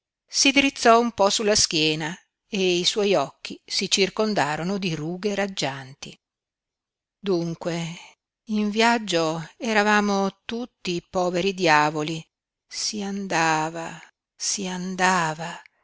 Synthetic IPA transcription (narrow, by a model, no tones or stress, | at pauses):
sid̪iɾit̪sːɔumpɔsulːaskjɛːna | eiswɔjɔkːisit͡ʃirkond̪aːɾonod̪iɾuːɡeɾad͡ʒːant̪ḭ | d̪uŋkwe | iɱvjad͡ʒːoɛɾavaːmot̪ut̪ːipɔːveɾid̪jaːvoli | siand̪aːva | siand̪aːva